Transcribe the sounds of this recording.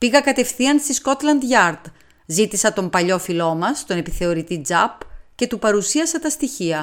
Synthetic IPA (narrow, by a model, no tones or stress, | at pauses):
piɣɐkɐt̪e̞fθiɐnst̪isko̞t̪lɐnd̪ʝɐɾd̪ | zit̪isɐt̪o̞mpɐʎo̞filo̞mɐst̪o̞ne̞piθe̞o̞ɾit̪id͡zɐpce̞t̪upɐɾusiɐsɐt̪ɐst̪içiɐ